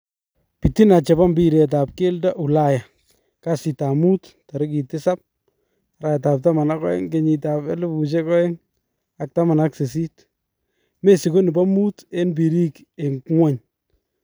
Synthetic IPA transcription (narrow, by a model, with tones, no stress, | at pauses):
pi˨ti˦na˨t͡ʃɛ˨ba˦mbi˦ɾe˨t̬a˨p̚ke˦lda˦ʔu˨la˦ja˨ | ka˦si˨ta˨mu˦tta˨ɾɪ˦ki˨tɪ˦sa˦p̚ | ɾa˨jta˨p̚ta˦ma˨na˦kɔ̰˦jɛ̰˦ŋɡe˨˦ɲi˨ta˨pɛ˦lɪ˦bu˨t͡ʃ̬ɛ˦kɔ˦ɛ˦ŋ | a˨k̚ta˦ma˨na˦kse˨s̬i˦t | me˦si˨ko˦ni˨ba˦mu˦te˦nb̬i˨ɾi˦k | e˨ŋkŋwa˦ɲ